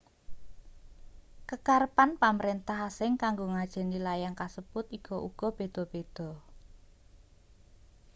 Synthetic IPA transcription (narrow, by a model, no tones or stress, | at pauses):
kəkarəpanpaməɾent̪aɦasɪŋkaŋɡoŋad̥ʒ̥ɛ̤nilajaŋkasəb̥ʊt̪ikʰɔʔuɡ̥ɔ̤b̥e̤d̪̥ɔ̤b̥ed̪̥ɔ̤